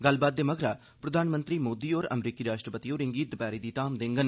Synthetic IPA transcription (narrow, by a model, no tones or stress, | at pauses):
ɡəlbaːd̪̚ːeːməɡʱɾaː | pɾəd̪aːnmə̃nt̪ɾiːmoːd̪iːoːɾə̰mɾiːkiːɾaːʃʈɾəpət̪iːoːɾɪŋɡiːt̪əpaːɾiːd̪iːt̪aːmd̪ɪ̃ŋɡən